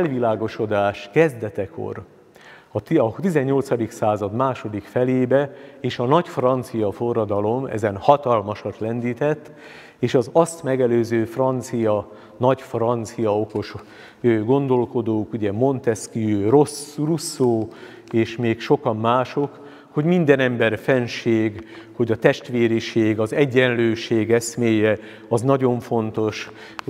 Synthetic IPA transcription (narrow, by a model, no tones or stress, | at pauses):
ɛlʋilaːɡo̞ʃo̞d̪aːʃkɛzd̪ɛt̪ɛkʰo̞̰r | ɒt̪ɒt̪izɛɲːo̞lt̪sɒd̪iksaːzɒd̪maːʃo̞d̪ikfɛleːbɛeːʃɒnɒɟfrɒnt̪sijɒfo̞rːɒd̪ɒlo̞mɛ̰zɛnhɒt̪ɒlmɒʃɒt̪lɛnd̪iːt̪ɛt̪ː | eːʃɒzɒst̪mɛɡɛløːzøːfrɒnt̪sijɒ | nɒɟfrɒnt̪sijɒo̞ko̞ʃ | øɡo̞nd̪o̞lko̞d̪oːkuɟɛmo̞nt̪ɛskiørosrusːoː | eːʃmeːkʃo̞kɒmːaːʃo̞k | hoɟmind̪ɛnɛmbɛrfɛnʃeːɡ | ho̞ɟɒt̪ɛʃt̪ʋeːɾiʃeːɡɒzɛɟːɛnløːʃeːɡɛsmeːjɛ | ɒznɒɟo̞ɱfo̞nt̪o̞ʃ